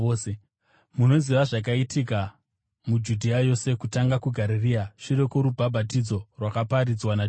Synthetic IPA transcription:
muno̞ziʋaʐak̬aitika | mud͡ʒudʱiajo̞se̞kutaŋɡakuɡʱaɾiriaʂiɾe̞koɾubʱabʱatid͡zo̞rwakapaɾid͡zwana

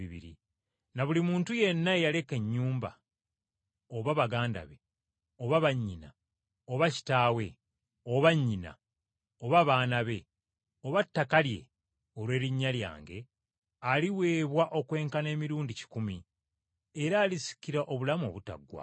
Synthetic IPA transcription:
iβḭɾḭ | naβulimuːntuje̞nːaejale̞ke̞ɲːuːmba̰ | oβaβaɡaːnda̰βe̞ | o̞βaβaɲːina | oβaci̥taːwe̞ | oβaɲːina̰ | oβaβaːnaβe̞ | o̞βatːakalje̞̰ | o̞lwe̞ːɾiɲːalja̰ːŋɡe̞ | aliwe̞ːβwaʔo̞kwe̞ːŋkane̞ːmiɾuːndici̥kumi | eɾaːlisi̥kiɾaʔo̞βulamo̞̰βuta̰ɡwa̰

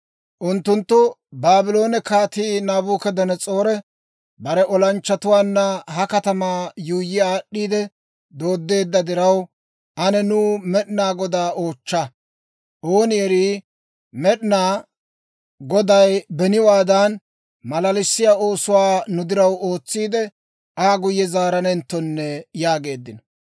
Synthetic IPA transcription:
ʔʊnt̪ːʊnt̪ːʊbaːbɪlo̞ːnɛkaːt̪iːnaːbuːkɛd̪ɐnɛt͡sʼo̞ːɾɛ | bɐɾɛʔɔlɐnt͡ʃːɐt̪ʊwaːnːɐɦɐkɐt̪ɐmaːjuːjɪaːɗːiːd̪ɛ | d̪o̞ːd̪ːe̞ːd̪ːɐd̪ɪɾɐw | ʔɐnɛnʊːmɛɗɪnaːɡɔd̪aːʔo̞ːt͡ʃːɐ | ʔo̞ːnɪjɛɾi | mɛɗnaː | ɡɔd̪ɐjbɛnɪwaːd̪ɐn | mɐlɐlɪsːɪjao̞ːsʊwaːnʊd̪ɪɾɐwo̞ːt͡sːiːd̪ɛ | ʔaːɡʊjːɛzaːɾɐnɛnt̪ːɔnːɛjaːɡe̞ːd̪ːɪnɔ

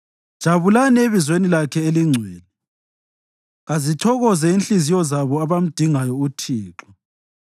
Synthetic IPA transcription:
d̥ʒ̥ʱaβulanieβizwenilakʰɛeliŋ͡ǀʱwɛːlɛ | ɣazitʰɔɣɔzɛinɬizijɔzaβɔaβam̩d̥ʱiŋajɔutʰiːǁɔ

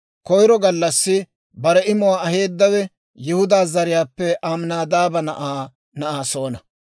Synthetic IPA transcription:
kɔjɾɔɡɐlːɐsːɪ | bɐɾɛɪmʊwaːɐɦe̞ːd̪ːɐwɛ | jɪhʊd̪aːzɐɾɪjaːpːɛʔamnaːd̪aːbɐnɐʔaː | nɐʔaːso̞ːnɐ

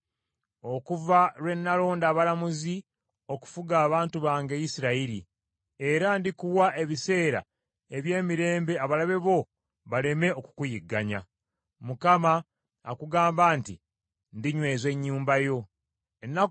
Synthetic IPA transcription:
o̞kuvaɾwe̞nːalo̞ːndaːβalamuzi | o̞ku̥fuɡaːβaːntuβaːŋɡe̞jisiɾaiɾi | e̞ɾandikuwaʔe̞βise̞ːɾa̰ | e̞βje̞ːmiɾe̞ːmbe̞aβalaβe̞βo̞ | βale̞me̞o̞ku̥kujiɡːaɲa̰ | mukamaː | kuɡaːmbaːnti | ndiɲwe̞ːzwe̞ɲːuːmbajo̞ | enːa

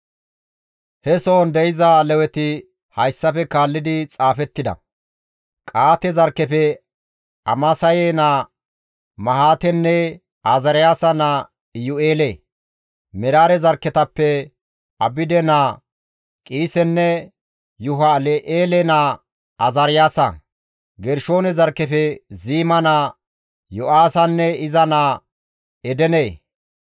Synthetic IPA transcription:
hɛsoːnd̪ɛɪzalɛwɛt̪ɪ | hɐjsːɐfɛkaːlːɪd̪ɪt͡sʼaːfɛt̪ːɪd̪ɐ̰ | kʼaːt̪ɛzɐɾkːɛfɛ | ɐ̰mɐsɐjeːna | mɐhaːt̪ɛnːɛ | azɐɾɪjaːsɐna | jʊeːleː | mɛɾaːɾɛzɐɾkːɛt̪ɐpːɛ | ɐbɪd̪ɛnaː | kʼiːsɛnːɛ | jʊɦɐlɛʔeːlɛna | ɐzɐɾɪjaːsɐ̰ | ɡɛɾʃo̞ːnɛzɐɾkːɛfɛziːmɐna | jʊʔaːsɐnːɛɪzɐnaː | ɛd̪ɛneː

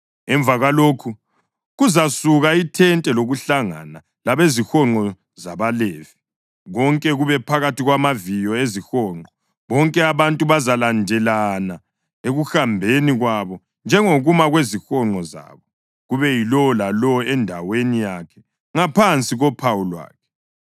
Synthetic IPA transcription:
ɛɱbvaɣaloːkʰu | ɣuzasuɣaitʰɛntʼɛloɣuɬaŋa̰na | laβezixɔŋ͡ǃʱɔ | zaβaleːvi | ɣɔŋkʼɛɣuβɛpʰaɣatiɣwamavijɔezixɔːŋ͡ǃɔ | βɔŋkʼɛaβantʼuβazalandʱɛlana | eɣuxambʱeniɣwaβɔ | nd͡ʒʱɛŋoɣumaɣwezixɔŋ͡ǃɔza̰ːβɔ | ɣuβɛjilɔlalɔɛndʱawenijakʰɛ̥ | ŋapʰant͡sʼiɣɔpʰawulwa̰ːkʰɛ̥

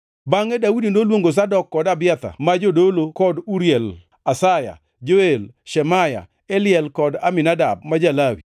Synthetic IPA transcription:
baŋɛdawudindolwoŋɡos̬adɔkːɔdabɪat̪a̰mad͡ʒodolokɔduɾjɛl | asaja̰ | d͡ʒoelʃɛmaja̰ | elɪjɛlkɔda̰mɪnadab̚mad͡ʒalawi

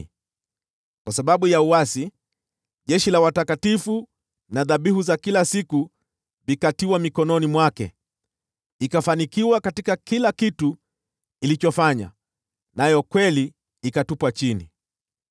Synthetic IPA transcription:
kwasaɓaɓujauasi | ʄɛʃilawatakatifu | naðaɓihuzakilasiku | vikatiwamikɔnɔnimwakɛ̰ | ikafanikiwakatikakilakitu | ilit͡ʃɔfaɲa̰ | najɔkwɛli | ikatupwat͡ʃinḭ

